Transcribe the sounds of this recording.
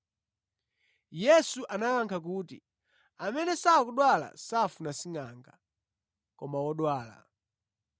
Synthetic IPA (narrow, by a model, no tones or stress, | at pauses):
jɛsuʔanaaŋkʰak̬uːtḭ | amɛnɛsakuɗwala̰safunasiŋaːŋɡa̰ | kɔmawɔɗwaːla̰